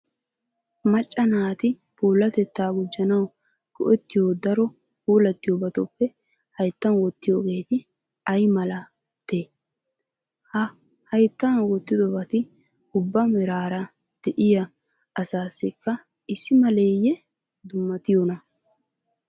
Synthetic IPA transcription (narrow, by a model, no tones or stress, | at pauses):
mɐt͡ʃʼːɐnaːt̪ɪ | puːlːɐt̪ɛt̪ːaːɡʊd͡ʒːɐnɐw | ɡ̥ɔʔɔt̪ːɪjoːd̪ɐɾɔ | puːlɐt̪ːɪjobɐt̪ɔpːɛ | hɐjt̪ːɐnwɔt̪ːɪjoːɡe̞ːt̪ɪ | ɐjmɐlɐ | t̪eː | hɐ | hɐjt̪ːanwɔt̪ːɪd̪ɔbɐt̪ɪ | ʊbːɐmɛɾaːɾɐ | d̪̥ɛʔɪjɐː | saːsːɪkːɐ | ɪsːɪmɐleːjɛ | d̪ʊmːɐt̪ɪjonɐ